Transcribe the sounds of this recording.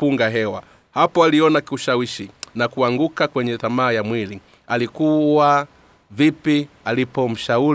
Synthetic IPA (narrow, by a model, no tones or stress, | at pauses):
uŋɡaɦɛwa | hapɔaliɔnakiuʃawiʃinakuaŋɡukakwɛɲɛθamaːjamwili | alikuwa | vipialipɔm̩ʃau